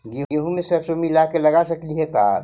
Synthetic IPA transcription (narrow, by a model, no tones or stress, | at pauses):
jejeɦũmẽsɐɾsomilakelɐɡasɐkliɦɛkaː